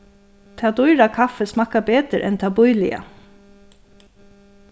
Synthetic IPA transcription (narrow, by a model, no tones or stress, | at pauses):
t̪ʰɑːd̪ʊʏɾɑkʰɑfəsmɑkabeːd̪əɾʔɛ̰nt̪ʰɑːbʊʏlɪə̰